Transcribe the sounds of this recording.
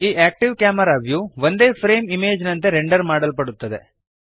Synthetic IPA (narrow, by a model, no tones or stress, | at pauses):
iːʔæːk̚ʈiʋkaːmɐɾaːʋjuʋond̪e̞ːpʰɾeːmimeːd͡ʒnɐnt̪e̞ɾeɳɖɐɾmaːɽɐlpɐɽut̪ːɐd̪e̞̰